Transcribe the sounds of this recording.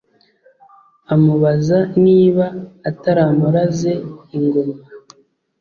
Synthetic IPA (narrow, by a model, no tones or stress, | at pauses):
amuβazaniːβaːtaɾaːmuɾaze̞iβiɾima